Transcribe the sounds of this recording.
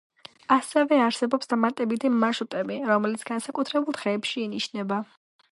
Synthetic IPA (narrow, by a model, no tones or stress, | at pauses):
asɛvɛaɾsɛbɔpsd̪amat̪ʼɛbit̪ʰimaʃut̪ʼɛbiɾɔmɛlit̪sʰɡ̥ansakʼut̪ʰɾɛbulˠd̪ʁɛːpʃiːniʃnɛba